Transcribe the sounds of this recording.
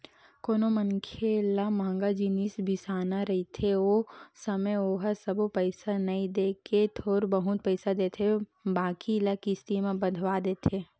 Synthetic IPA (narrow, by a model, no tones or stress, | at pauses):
koːnomənkʰelamãːŋɡad͡ʒinisbʱɪsaːnaɾɐit̪ʰeosəməjoːɦəsəbopəɪsanɐĩd̪eːket̪ʰoːɾbəɦʊt̪̚pəɪsad̪eːt̪ʰebaːkilakist̪imẽbəd̪ʱʋad̪eːt̪ʰeː